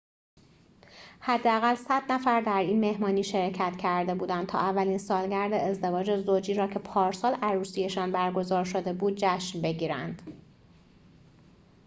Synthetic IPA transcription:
hæd̪ːeæɣælsæd̪næfæɾd̪æɾiːnme̞hmɒːniːʃe̞ɾcʰæt̪cʰæɾd̪e̞buːd̪ænt̪ʰɒ̰ːʔævːæliːnsɒːlɟæɾd̪eːzd̪e̞vɒːd͡ʒe̞zod͡ʒiːɾɒːcʰe̞pʰɒːɾsɒːlæɾuːsije̞ʃɒːnbæɾɡo̞zɒːɾʃod̪e̞buːd̪̚d͡ʒæʃnbe̞ɟiːɾæ̰nd̪̥

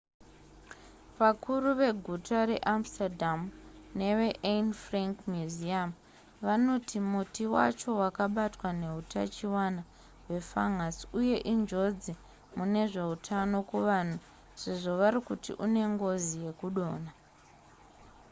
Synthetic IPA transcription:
ʋakʰuruʋe̞ɡʱutaɾe̞ʔamstadʱamne̞ʋe̞ʔenfraŋkmjuziam | ʋano̞timutiwa̰t͡ʃo̞wakaɓatwane̞ɦuta̰t͡ʃiwana | we̞faŋasiuje̞ʔind͡ʒo̞d͡zi | mune̞ʐe̞utʰano̞kuʋan̤u | se̞ʐo̞ʋaɾikutḭʔune̞ŋɡo̞zije̞kuɗo̞ːna

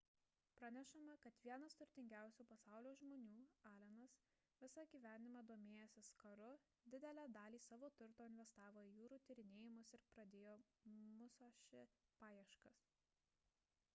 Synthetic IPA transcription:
pɾɐnʲɛʃɐmɐkɐt̪ʋʲiɛnɐst̪ʊɾʲt̪ʲɪŋʲɡʲæˑʊsʲuːpɐsɑˑʊlʲoːʒmoːnʲuːɑːlʲɛnɐs | ʋʲɪsɐɡʲiːʋʲæːnʲnʲɪmɑːd̪oːmʲeːjosʲɪskɐɾʊ | d̪ʲɪd̪ʲɛlʲæːd̪ɑːlʲiːsɑːʋoːt̪ʊɾt̪oːɪnʲʋʲɛst̪ɑːʋoːɪjuːɾuːt̪ʲiɾʲɪnʲeːjɪmʊsɪɾpɾɐd̪ʲeːjoːmʊsoːʃʲɪpɑːjɛʃkɐs

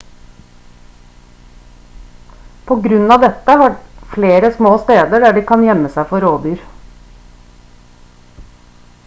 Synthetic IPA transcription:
pʰoːɡɾʉnɑːʋd̪ɛt̪əhɑːfleːɾəsmoːst̪eːd̪əɖæːɖiːkʰɑnjɛməsæɪfɔɾoːd̪yːɾ

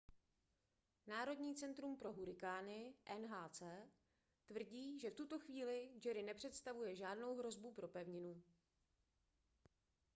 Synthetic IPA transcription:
naːɾo̞dɲiːt͡sɛnt̪ɾumpɾo̞ɦuɾɪkaːnɪʔɛnɦaːt͡sɛː | t̪vr̩ɟiːʒɛft̪ut̪o̞xviːlɪd͡ʒɛɾɪnɛpr̝̥ɛt̪st̪avujɛʒaːdno̞wɦɾo̞zbupɾo̞pɛvɲɪnu

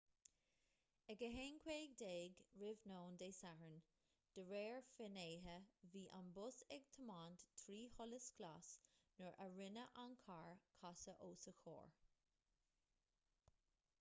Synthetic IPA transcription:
ɛɡəɦeːnkʰweːɡ̚d̪eːɡɹɪvnoːnd̪eːsaɹən | d̪̥əɹeːɹfɪneːɦəviːʔambʊsɛɡ̚t̪ʰəmaːnt̪t̪ʰɾiːhɔləsklasnəɹʔəɹɪnəʔankʰaɹkʰasəʔoːsəxo̰ːɹ

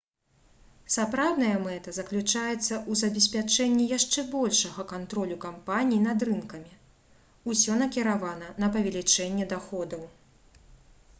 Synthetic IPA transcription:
sapɾawnɐjɐmɛt̪ɐzɐklʲut͡ʂajɛt̪sːɐʔuzɐbʲɛsʲpʲat͡ʂɛnʲːijaʂt͡ʂɛbɔlʲʂɐɣɐkant̪ɾɔlʲukampanʲijinɐd̪ɾɨnkɐmʲi | usʲɔnɐkʲiɾavanɐnɐpɐvʲɛlʲit͡ʂɛnʲːɛd̪axɔd̪ɐw

